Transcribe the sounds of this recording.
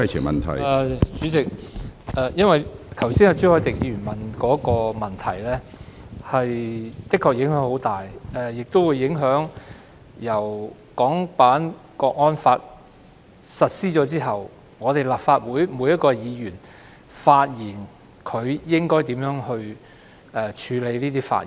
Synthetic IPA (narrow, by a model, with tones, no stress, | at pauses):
jt͡ʃʰɪ˨˩ŋmɐ̰˨nt̪ʰɐ̰˨˩jɛ˧t͡syː˨˥t͡sɪ˨k̚ʔɛː˨˧jɐ˥nwɐ˨jt̪ʰɐ˨˩wsiː˥nɐ˨˧t͡ʃy˥hɔː˧˥jt̪ɪ˨k̚ji˧yː˨˩mɐ˨nkɔː˨˥kɔː˧mɐ˨nt̪ʰɐ˨˩jlɛː˥hɐ˨jt̪ɪ˥kʰːɔː˧k̚jɪ˨˧˥ŋɦœː˨˥ŋho˨˧˥wt̪aː˨jʔɛː˨˧jɪ˨k̚t̪o˥wu˨˧jːɪ˨˥ŋɦœː˨˥ŋ | jɐ˨˩w | kɔː˨˥ŋpaː˨˥nkɔː˧k̚ŋɔː˥nfaː˧t̚ | sɐ˨t̚siː˥t͡ʃɔː˨˥t͡siː˥ɦɐ˨w | ŋɔː˨˧t̪e˨jlaː˨p̚faː˧t̚wuː˨˥jmuː˨˧˥jɐ˥t̚kɔː˧jiː˨˧jyː˨˩n | faː˧t̚jiː˨˩n | kʰɵ˨˧ɥjɪ˥ŋkɔː˥jt̪iː˨˥mjœː˨˥ŋhɵ˧ɥ | ɛː˨t͡ʃʰyː˨˧le˨˧jniː˥t̪iː˥fa̰ː˧t̚iː˨˩